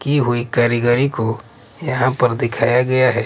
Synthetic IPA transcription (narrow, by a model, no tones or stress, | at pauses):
kiɦʊikaːɾɪɡaːɾiko | jɐɦãpɐɾd̪ɪkʰaːjaɡɐjaɦɛː